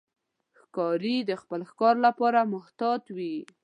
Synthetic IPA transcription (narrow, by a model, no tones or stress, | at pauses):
xkɑɾid̪əxpəlxkɑɾlapɑɾamʊht̪ɑd̪wi